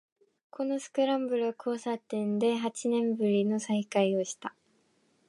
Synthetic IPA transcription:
kʰo̞no̞sɨ̥kɯ̟ɾãmbɯ̟ɾɯ̟βakʰo̞ːsat̪ẽ̞nd̪e̞ɦat͡ɕinẽ̞mbɯ̟ɾʲino̞saikaio̞ɕi̥t̪a

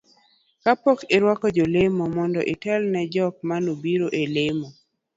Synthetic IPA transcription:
kapɔkɪɾwakɔd͡ʒolemɔmɔndɔʔɪtɛlnɛd͡ʒɔk̚manobiɾoʔelemɔ

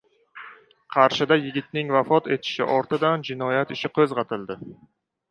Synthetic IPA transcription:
qʰɑɾʃɪd̪ajɪɡʲɪt̪̚nɪŋvafɒt̪e̞t̪ʰɪ̥ʃɪ̰ʔɒɾt̪ɪd̪and͡ʒɪnɒjat̪ɪʃɪqʰɵzʁɑt̪ʰɪld̪ɪ

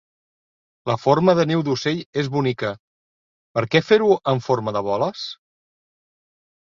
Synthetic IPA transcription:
ləfoɾməðəniwd̪useʎezβunikə | pəɾkɛfeɾuəɱfoɾməðəβɔləs

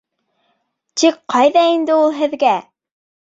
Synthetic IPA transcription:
t̪ikqɑjðɑind̪ɘulˠɦɘ̆ðɡæ

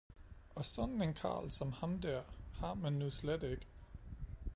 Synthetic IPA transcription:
ɒ̽sɒ̽d̥n̩enkʰɑ̰̈ːlsɒ̽mhɑ̈mdæɐ̰hɑ̈mænːusled̥e̝ɡ̥ə

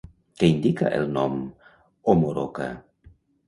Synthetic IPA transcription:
keind̪ika̰ʔelnɔm | omoɾo̰ka̰

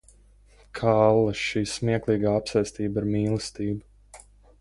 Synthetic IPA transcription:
kʰalˠːɐʃiːsmiɛklˠiːɡaːapsɛjsʲt̪iːbiɾmiːlˠɨst̪iːba

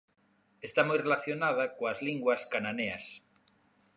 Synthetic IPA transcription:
est̪amojrelaθjonað̞akoazliŋɡwaskananea̰s

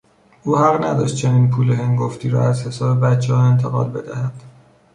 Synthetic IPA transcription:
ʔuːhæɣnæd̪ɒːʃt̪̚t͡ʃʰeniːnpʰuːleɦeŋɡoft̪iːɾɒ̰æzhe̞sɒːbe̞bæt̪t͡ʃʰːehɒe̞nt̪ʰe̞ɣɒ̰ːlbe̞d̪æhæd̪̥

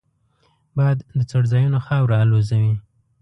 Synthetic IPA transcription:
bɑjad̪ːət͡soɽzɑjunoxɑwɾaːlozawi

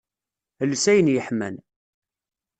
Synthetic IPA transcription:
əlːsæjənjəħmæ̰n

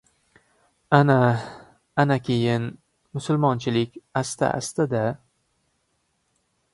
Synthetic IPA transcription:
ana | anakʲʰejɪn | mʊsʊlˠmɒnt͡ʃʰɪlɪkʲast̪ʰa̰ʔa̰st̪ad̪a

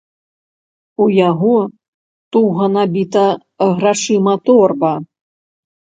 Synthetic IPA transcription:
ujaɣɔ | t̪uɣɐnabʲit̪ɐ | ɣraʂɨmɐt̪ɔrbɐ

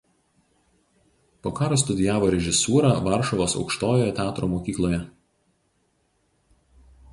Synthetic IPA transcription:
poːkɑːɾos̬t̪ʊd̪ʲɪjæːʋoːɾʲɛʒʲɪsuːɾɑʋɑˑɾʃɔʋoːsɒ̰ʊkʃt̪oːjoːjɛt̪ʲæːt̪ɾoːmoːkʲiːklˠoːjɛ

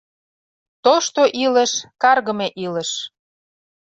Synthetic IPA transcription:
t̪oʃt̪oʔilə̆ʃkɑrɣə̆meʔilə̆ʃ

